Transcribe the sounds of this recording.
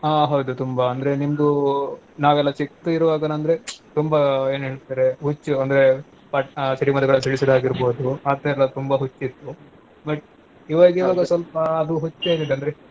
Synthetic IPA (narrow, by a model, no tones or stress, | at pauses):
aːɦɐwd̪ut̪umbɐɐnd̪ɐɾe̞nimd̪unaːʋɛlːɐt͡ʃiktuiɾuʋaːɡɐnɐnd̪ɐɾe̞t̪umbɐe̞ːnɦeːɭt̪ːɾeɦut͡ʃːuɐnd̪ɐɾe̞ | pɐʈt͡ʃɐɾimɐd̪ɐɡɐɭɐnsiɭisɐd̪aːɡiɾboːd̪uɐt̪ːɐɛlːɐt̪umbɐɦut͡ʃːit̪ːu | bɐʈ | iʋaːɡiːʋaːɡɐsʋɐlpɐːd̪uɦut͡ʃːeːlid̪ɐnd̪ɐɾe